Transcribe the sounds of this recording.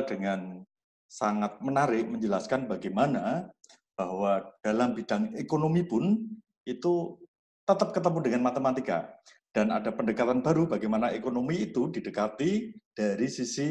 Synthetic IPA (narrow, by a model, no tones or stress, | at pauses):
dəŋan | saŋat̪̚mənaɾɪʔməɲd͡ʒəlaskanbaɡajmana | b̥ahwad̥alambid̥aŋekonomipʊn | it̪u | t̪ət̪əp̚kət̪əmudəŋanmat̪əmat̪ika̰ | d̥anadapəndəkat̪anbaɾubaɡajmanaekonomiːt̪udidəkat̪id̥aɾisisi